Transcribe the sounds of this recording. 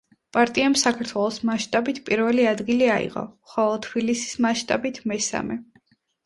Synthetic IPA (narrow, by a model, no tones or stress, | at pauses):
pʼaɾt̪ʼiamsakʰaɾt̪ʰwɛlˠɔsmaʃt̪ʼabit̪ʰpʼiɾvɛliad̪ɡiliaḭqɔ̰χɔlˠɔt̪ʰbilisi̥smaʃt̪ʼabit̪ʰmɛsa̰mɛ